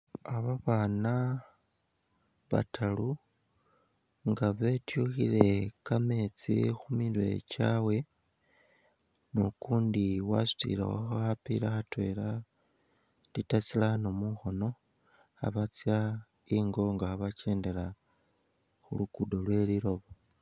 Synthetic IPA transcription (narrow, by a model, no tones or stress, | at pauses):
aβaβaːna | βa̰tʰalu | ŋɡaβe̞tjuxile̞kame̞t͡sḭxumilwe̞̰t͡ʃaːwe̞ | nokuːndiwa̰su̥tḭla̰wo̰xoxapḭlaxatwe̞la | lditat͡silano̞muxo̞no̞ | a̰βat͡sja | iŋɡo̞ŋɡaaβat͡ʃe̞ːnde̞la | xṵluɡudo̞lwe̞liɾo̞βo